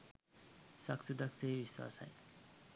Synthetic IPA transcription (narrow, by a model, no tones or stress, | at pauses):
saksɨd̪akseːbisa̰sa̰j